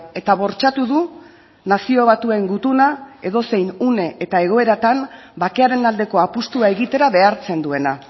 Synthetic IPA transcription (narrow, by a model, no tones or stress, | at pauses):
e̞t̪aβ̞o̞ɾt͡ʃat̪uðu | nasio̞β̞at̪uaeŋɡut̪unae̞ðo̞se̞jnune̞ʔːt̪ae̞ɣ̞o̞e̞ɾat̪anbake̞aɾe̞nald̪e̞ko̞apust̪uae̞ɣit̪e̞ɾaβe̞aɾt͡se̞nd̪ue̞na